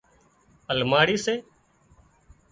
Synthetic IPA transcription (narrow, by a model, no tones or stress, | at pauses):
əlmaːɽiːseː